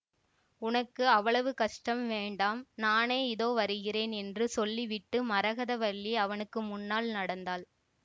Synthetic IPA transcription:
ʊnɐkːɯɐʋːɐɭɐʋɯkɐʂʈɐmʋeːɳɖaːmnaːneːɪðoːʋɐɾɯɣɪreːnɛndrɯsɔlːiʋɪʈːɯmɐɾɐɣɐðɐʋɐɭːiɐʋɐnɯkːɯmʊnːaːlnɐɽɐnd̪aːl

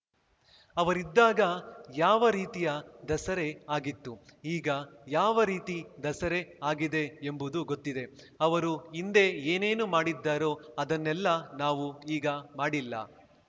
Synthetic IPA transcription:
ɐʋɐɾid̪ːaːɡɐjaːʋɐɾiːt̪ijɐd̪ɐsɐɾe̞aːɡit̪ːuiːɡɐjaːʋɐɾiːt̪id̪ɐsɐɾe̞aːɡid̪e̞ːmbud̪uɡot̪ːid̪e̞ | ɐʋɐɾuind̪e̞eːne̞ːnumaːɽid̪ːaːɾoːɐd̪ɐnːɛlːɐnaːʋuiːɡɐmaːɽilːɐ̰

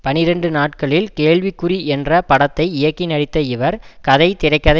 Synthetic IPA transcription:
pɐnɪɾɐɳɖɯnaːʈ̚kɐɭɪlkeːɭʋɪkːɯɾiɛndrɐpɐɽɐt̪ːɐɪɪjɐkːinɐɽɪt̪ːɐɪʋɐɾkɐðɐɪt̪ɪɾɐɪkːɐðɐ

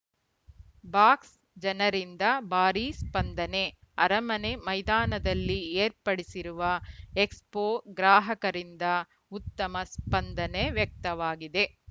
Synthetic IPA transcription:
baːks | d͡ʒɐnɐɾind̪ɐbaːɾispɐnd̪ɐne̞ | ɐɾɐmɐne̞mɐjd̪aːnɐd̪ɐlːieːɾpɐɽisiɾuʋɐekspoːɡɾaːɦɐkɐɾind̪ɐ | ut̪ːɐmɐspɐnd̪ɐneʋjɐk̚t̪ɐʋaːɡid̪e̞

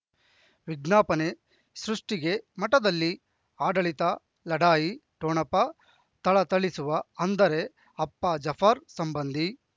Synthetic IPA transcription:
ʋiɡnaːpɐne | sɾuʂʈiɡe̞mɐʈɐd̪ɐlːi | aːɖɐɭit̪ɐ | lɐɽaːjiʈoːɳɐpːɐ | t̪ɐɭɐt̪ɐɭisuʋɐɐnd̪ɐɾe | ɐpːɐd͡ʒɐpʰaːɾsɐmbɐnd̪ʱi

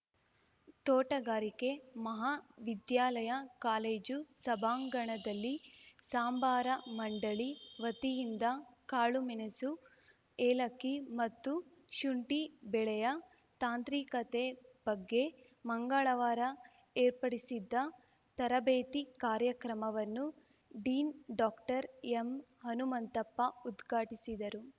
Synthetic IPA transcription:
t̪ɔːʈɐɡaːɾike̞mɐɦaʋid̪jaːlɐjɐkaːleːd͡ʒusɐbʱaːŋɡɐɳɐd̪ɐlːisaːmbaːɾɐmɐɳɖɐɭiʋɐt̪ijind̪ɐkaːɭuminɐsu | eːlɐkːimɐt̪ːu | ʃuɳʈibɛɭɛjɐ | t̪aːnt̪ɾiːkɐt̪eb̥ɐɡːe̞ | mɐŋɡaɭɐʋaːɾɐ | eːɾpɐɽisid̪ːɐ | t̪ɐɾɐbeːt̪ikaːɾjɐkɾɐmɐʋɐnːu | ɖiːnɖɔːkʈɐɾemɦɐnumɐnt̪ɐpːɐud̪ɡʱaːʈisid̪ɐɾu

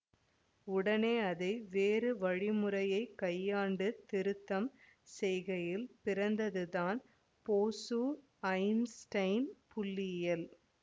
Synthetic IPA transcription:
ʊɽɐneːɐðɐɪʋeːrɯʋɐɻɪmɯrɐjɐɪkːɐjːaːɳɖɯt̪ɪɾɯt̪ːɐm | sɛjɣɐjɪlpɪrɐnd̪ɐðɯðaːn | poːsu | ɐɪmsʈɐɪnpʊlːɪjɐl

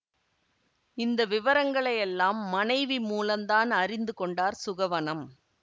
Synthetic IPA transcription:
ɪnd̪ɐʋɪʋɐɾɐŋɡɐɭɐjɛlːaːmːɐnɐɪʋimuːlɐmd̪aːnɐrɪnd̪ɯkɔɳɖaːɾsʊɣɐʋɐnɐm

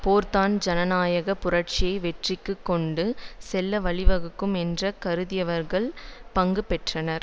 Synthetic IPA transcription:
poːɾt̪aːnd͡ʒɐnɐnaːjɐɣɐpʊrɐʈ̚t͡ʃɪjɐɪʋɛʈrɪkːɯkːɔɳɖɯsɛlːɐʋɐɭɪʋɐɣɯkːɯmɛndrɐkɐɾɯðɪjɐʋɐɾɣɐɭpɐŋɡɯpːɛʈrɐnɐɾ

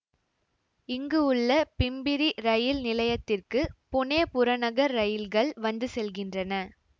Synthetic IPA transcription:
ɪŋɡɯʊɭːɐpɪmbɪɾiɾɐjɪlnɪlɐjɐt̪ːɪrkɯpʊneːpʊɾɐnɐɣɐɾːɐjɪlɣɐɭʋɐnd̪ɯsɛlɣɪndrɐnɐ

